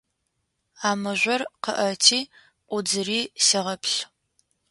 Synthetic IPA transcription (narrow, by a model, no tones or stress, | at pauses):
aːmɨʒʷɐrqə̰ʔɐtʰiː | ʔʷʊd͡zɨriːsɐʁɐpʰɬ